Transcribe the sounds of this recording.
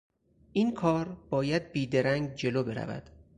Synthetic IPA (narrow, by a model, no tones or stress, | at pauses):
ʔiːnkʰɒːɾb̥ɒːjæd̪̚biːd̪e̞ɾæŋɡ̚d͡ʒe̞loːbe̞ɾæ̰væ̰d̪̥